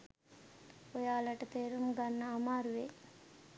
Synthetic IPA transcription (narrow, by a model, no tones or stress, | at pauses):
ojaːlɐʈɐt̪eːɾumɡanːaːmaːɾuʋe